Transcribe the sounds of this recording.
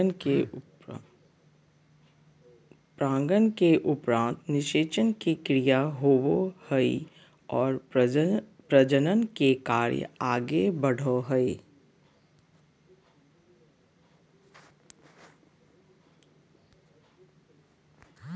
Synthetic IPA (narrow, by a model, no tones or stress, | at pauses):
pɾãːŋɡənkeʔʊpɾãːnt̪nɪʃeːt͡ʃənkikɾijaɦoːwohəḭ | ɔːɾ | pɾəd͡ʒənənkekaːɾjə̰aːɡebɐɽ̤ʱoɦəi